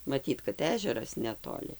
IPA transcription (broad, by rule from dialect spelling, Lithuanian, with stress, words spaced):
mɐˈtʲiːt kɐt ˈæːʒʲɛrɐs nʲɛtoːˈlʲɪ